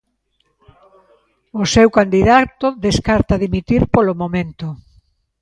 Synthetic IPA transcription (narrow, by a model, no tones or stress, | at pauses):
osewkand̪iðat̪oðeskaɾt̪aðimit̪iɾpolomomẽnt̪ʊ